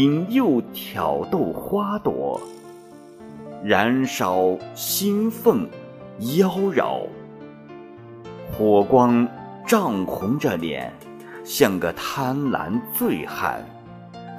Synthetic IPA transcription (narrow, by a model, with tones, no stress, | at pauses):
i˧˥ŋjo˥˩ʊt̪ʰjɑ˨˩ʊt̪o˥˩ʊxwa˥t̪wɔ̰˧˥ | ɻa˧˥nʂɑ˨˩ʊɕi˥nfə˥˩ŋ | jɑ˥ʊɻɑ̰˨˩ʊ | xwɔ˨˩kwɑ˥ŋ | ʈ͡ʂɑ˥˩ŋxʰʊ˧˥ŋʈ͡ʂə˥˧ljɛ̰˨˩˦n | ɕjɑ˥˩ŋɡə˩t̪ʰa˥nla̰˧˥nt͡swe˥˩ɪxa̰˨˩˦n